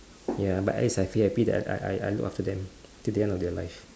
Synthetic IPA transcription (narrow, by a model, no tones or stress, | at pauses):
jaba̰ta̰isajfiapidɛ̰a̰a̰ja̰jluka̰ftədɛ̃m | tudiɛ̃ndɔfdɛlaɪf